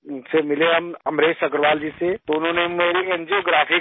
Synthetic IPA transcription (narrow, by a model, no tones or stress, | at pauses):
ʊnsemɪleɦɐmɐmɾeːsɐkɾʋaːld͡ʒiset̪oʊnɦõːnemeːɾiend͡ʒioɡɾaːfʰi